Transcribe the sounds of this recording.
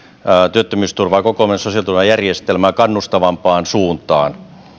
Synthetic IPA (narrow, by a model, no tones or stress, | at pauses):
t̪yøt̪ːømyːst̪urʋɑːkokomensosiɑlt̪urʋɑjærjest̪elmæːkɑnːust̪ɑʋɑmpɑːnsuːnt̪ɑ̰ːn